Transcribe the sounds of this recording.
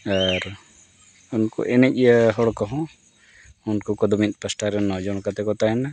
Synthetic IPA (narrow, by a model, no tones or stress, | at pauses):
aɾ | unkɔ̰ʔɛnɛc̚ˀjəɦɔɽkɔɦɔ̃ | unkɔkɔd̪ɔmit̪̚ˀpəsʈaɾɛnːɔd͡ʒɔɽ̃kat̪ɛkɔt̪aɦɛna